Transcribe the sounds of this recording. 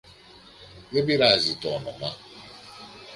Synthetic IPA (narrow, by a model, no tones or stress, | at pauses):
ɣebiɾazitɔnɔma